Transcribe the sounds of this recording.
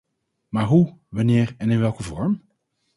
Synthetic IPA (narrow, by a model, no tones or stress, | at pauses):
maːɹɦuʋɑnɪːɹɛnɪnʋɛlˠkəvɔɹm